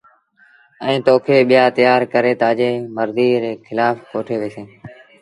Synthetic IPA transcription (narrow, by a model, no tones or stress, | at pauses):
ɛ̃ːt̪oːkʰeːɓɪjaːt̪əjaːɾkəɾeːt̪aːd͡ʒeːməɾd̪iːɾeːkʰɪlaːfkoːʈʰeːʋeːseː